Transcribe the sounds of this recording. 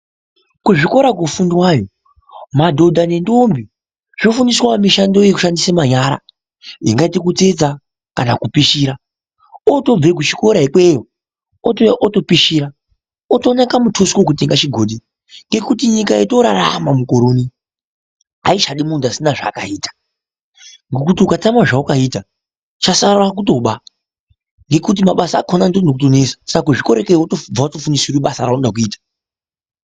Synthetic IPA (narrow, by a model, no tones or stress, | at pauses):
kuʐiko̞ɾakwofundwajo | madʱo̞dʱane̞ndombi | ʐ̥ofuniswamiʃando̞jekuʃandisemaɲaɾa̰ | jiŋɡaitikut͡sed͡za | kanakupiʃiːɾa | oto̞b͡vekut͡ʃi̥ko̞ɾaikwejo | oʔoto̞piʃiːɾa | otonakamutʰoswokuteŋɡat͡ʃiɡʱoːdi | ŋɡe̞kutiɲikaito̞ɾaɾa̰mamukoɾoːni | a̰iʃaɗimuntasinaʐa̰ːka̰iːtḁ | ŋɡokutiukatamaʐaukaiːta | t͡ʃasarrak̬uto̞ɓa | ŋɡe̞kut̬imaɓasaːkʰonandonokut̬onesḁsakakuʐiko̞ɾekeotob͡vaotofunisiɾiɓasaraunɗak̬uiːtḁ